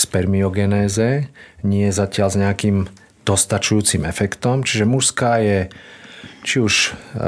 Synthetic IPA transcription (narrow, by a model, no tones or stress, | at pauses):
spɛɾmiɔɡɛnɛːzɛɲɪɛjzacɪalzɲɛakiːm | d̪̥ɔst̪at͡ʃujuːt͡simɛfɛkt̪ɔmt͡ʃiʒɛmuʃskaːjɛ | t͡ʃiuʃ